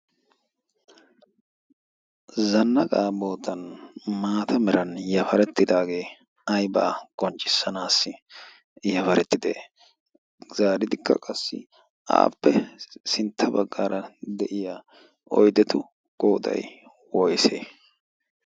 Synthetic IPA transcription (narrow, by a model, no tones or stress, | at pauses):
zɐnːɐkʼaːbo̞ːt̪ːɐnmaːt̪ʰɐmɛɾɐnjɐfɐɾɛt̪ːɪd̪aːɡe̞ː | ɐjba̰ːkʼɔnt͡ʃʼːɪsːɐnaːsːɪ | jɐfɐɾɛt̪ːɪd̪ḛː | z̥aːɾɪd̪ɪkʰːɐ̰kʼɐsːɪ̰ | ʔa̰ːpːɛsɪnt̪ʰːɐbɐɡːa̰ːɾɐd̪ɛʔɪjaː | ʔɔjd̪ɛt̪ʊ | kʼoːd̪ɐ̰j | wɔjseː